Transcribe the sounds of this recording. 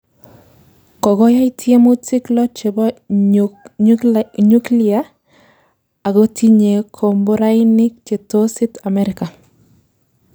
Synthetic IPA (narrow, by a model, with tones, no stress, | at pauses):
kɔ˨ɡɔ˦ja˦ɪ˦tʰje˦mo˦tɪ˦klɔ˦t͡ʃe˨bɔ˦ | ɲu˦klɪa˦ | a˨ɡo˦tʰi˦ɲe˨kʰo˨mbo˦ɾa˦jnɪ˦k̚t͡ʃe˨to˦sɪ˦ta˨mɛ˦ɾɪka˨